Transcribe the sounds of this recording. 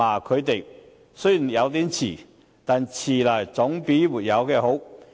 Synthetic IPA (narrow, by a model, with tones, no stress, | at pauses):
aː˨˩kʰɵ˨˧ɥt̪e˨j | sɵ˥i˨˩jɐ˨˧wt̪̬iː˨˥mt͡sʰiː˨˩ | t̪aː˨nt͡sʰiː˨˩laː˨˩jt͡sʊ˨˥ŋpiː˨˥muː˨˩t̚jɐ˨˧wkɛː˧ɦo˨˥w